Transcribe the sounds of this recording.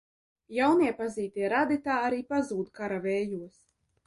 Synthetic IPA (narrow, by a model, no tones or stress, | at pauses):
jawniɛpaziːt̪iɛɾad̪it̪aːaɾiːpazuːd̪kaɾavɛːjuɔs